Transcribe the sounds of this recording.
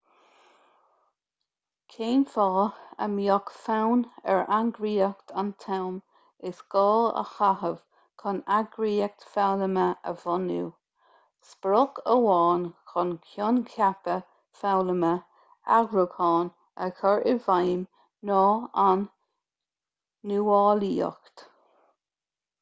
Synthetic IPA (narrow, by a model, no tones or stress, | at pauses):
kʰeːnfɔːə̰mjɔkfawnɛ̰ɹaŋɡɾiːəkt̪ʰant̪ʰawm | ɪsɡ̥ɑːlə̰xahəv̥ | kʰɔnaɡɾiːək̚t̪fawləməə̰vɔnṵː | spɾɔɡəwɑːnkʰɔnkʰjɔnkʰjapə | fawləmə | aɡɾukʰɑːn | əkʰɔɹɪvajm | nɔːan | uɑːliːɔ̰kt̪